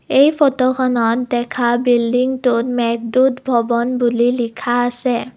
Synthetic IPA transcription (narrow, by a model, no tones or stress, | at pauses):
ejpʰɔtɔkʰɔnɔtdɛkʰabildiŋtʊtmɛk̚dutbʱɔbɔnbulilikʰaːsɛ